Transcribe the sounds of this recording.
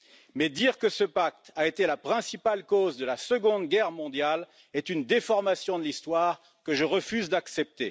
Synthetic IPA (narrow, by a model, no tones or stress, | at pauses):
mɛd̪iʁkəsəpak̚t̪aet̪elapχɛ̃sipalkozd̪əlasəɡɔ̃d̪ɡʲɛʁmɔ̃d̪jal | ɛt̪ynd̪efɔʁmasjɔ̃d̪əlist̪waʁ | kəʒəʁəfyzd̪aksɛp̚t̪e